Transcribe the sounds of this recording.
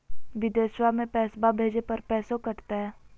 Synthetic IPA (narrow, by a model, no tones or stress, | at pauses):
ʋɪd̪eːswamẽpɛːsbabʱeːd͡ʒepɐɾpɛːsokɐɾt̪aɦɛː